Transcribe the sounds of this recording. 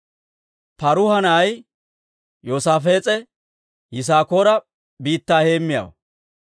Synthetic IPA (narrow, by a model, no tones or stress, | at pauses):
pɐɾʊhɐnaj | joːsaːfe̞ːt͡sʼɛ | jɪs̬aːko̞ːɾɐ | biːt̪ːaːheːmːɪja̰ːwɐ